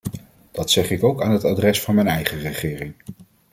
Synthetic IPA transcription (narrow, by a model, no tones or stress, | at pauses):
d̥ɑtsɛχɪkowkaːnɦətadrɛsfɑnmɛjnɛjχərəχɪːrɪŋ